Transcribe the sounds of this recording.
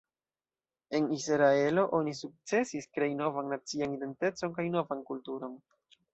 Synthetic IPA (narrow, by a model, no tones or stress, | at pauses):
e̞nisɾae̞lo̞ʔo̞nisuk̚t͡se̞siskɾe̞jno̞vanːat͡sianide̞nte̞t͡so̞nkajno̞vankultuɾo̞n